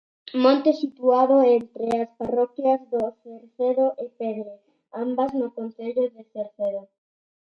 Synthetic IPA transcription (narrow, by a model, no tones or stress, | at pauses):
mõnt̪esit̪uaðʊent̪ɾeasparɔkjɐzðoθeɾθeðoʔɪpɛðɾe | ambɐznʊkonθeʎʊðeθeɾθeðo